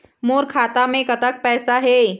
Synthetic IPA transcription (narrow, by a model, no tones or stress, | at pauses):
moːɾkʰaːt̪amẽkɐt̪ək̚pɛːsaɦɛː